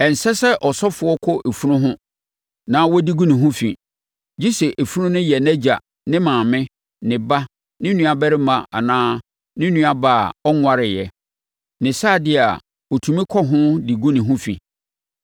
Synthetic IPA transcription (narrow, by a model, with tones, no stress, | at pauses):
ɛ˨n̩˨sɛ˦sɛ˦ʔɔ˨sɔ˦fʊ˨ɔ˦kʰɔ˦ʔe˨fu˦ɾʊ̃˦ɦʊ̃˦ | nã˦wɔ˦di˦ɡu˦nɪ̃˨ɦʊ̃˦fḭ˨ | d͡ʑi˦sɛ˨ʔe˨fu˦ɾʊ̃˦nʊ̃˦jɛ˨nɛ˦d͡ʑa̰˨ | nɪ̃˦mãː˨mɪ̃˦ | nɪ̃˨ba˦ | nɪ̃˦nũ˦a˨bɛ˦ɾɪ˦mã˨ʔa̰˨nãː˦ | nɪ̃˦nũ˦a˨ba˨ɔ˦ŋʷ˦a˦ɾɪ˨jɛ˨ | nɪ̃˨saː˦˨dɪ˦˨a̰˨ | o˨tʰũ˨mĩ˦kʰɔ˦ɦʊ̃˦di˨ɡũ˦nɪ̃˨ɦʊ̃˦fḭ˨